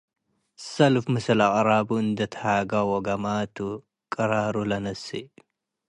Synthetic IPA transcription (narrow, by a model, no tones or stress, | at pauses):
sɐlfmɨsɐlaʔʼɾaːbuɨnd̪ɐt̪ʰhaːɡawɔɡɐmaːt̪u | kʼɐɾaːɾulɐnɐsːi